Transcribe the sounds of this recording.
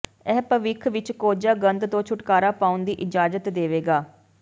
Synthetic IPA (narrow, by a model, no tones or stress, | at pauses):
ɛːpəʋɪkʰʋɪt͡ʃkoːd͡ʒaːɡənd̪t̪õːt͡ʃʰʊʈkaːɾaːpaːʊnd̪iːʔɪd͡ʒaːzət̪d̪eːʋeːɡaː